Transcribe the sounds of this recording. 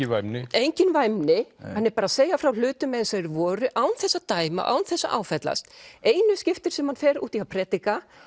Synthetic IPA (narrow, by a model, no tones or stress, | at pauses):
ɪvajmnɪejɲcɪnvajmnɪhanːɛɾpaːɾaðseːjafɾawl̥ʏːt̪ʏmɛðnsɛɾʏvɔːɾʏʔaːwnθɛsːat̪aːjma̰ʔa̰wnθɛsːa̰ʔa̰ːwfɛt̪la̰st̪eːjnʏscɪft̪ɪɾ̥sɛmhanfɛːɾṵːt̪ihawpʰɾɛːt̪ika